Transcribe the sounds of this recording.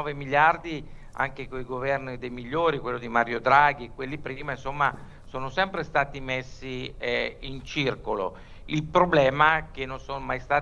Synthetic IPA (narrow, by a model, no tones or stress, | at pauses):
ɔːvemiljard̪i | a̰ŋkekoiɡovɛrnid̪ejmiʎːoːɾikwelːod̪imaɾjod̪ɾaːɡikwelːipɾiːmainsomːa | soːnosɛmpɾest̪aːt̪imesːi | int͡ʃirkolo̰ | ilpɾoblɛːmakenːonsonomajst̪aː